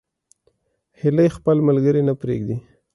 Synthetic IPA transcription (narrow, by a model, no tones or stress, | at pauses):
hɪlajxpəlmalɡəɾinapɾḛɡd̪i